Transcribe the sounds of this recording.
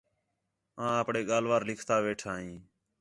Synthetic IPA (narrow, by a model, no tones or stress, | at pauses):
ãːəpɳeːɠaːlʋaːɾlɪkʰt̪aːʋeːʈʰaːɦĩː